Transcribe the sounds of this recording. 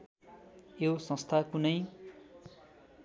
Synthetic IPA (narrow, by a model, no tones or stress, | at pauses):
jowsʌ̃st̪ʰakunʌj